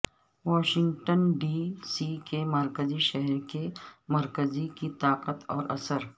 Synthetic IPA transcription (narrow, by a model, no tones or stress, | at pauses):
ʋɔːʃɪ̃ŋɡʈənɖiːsiːkemɐɾkəziʃɛɦɛɾkemɐɾkəzikit̪aːqət̪ɔːɾʔɐ̰səɾ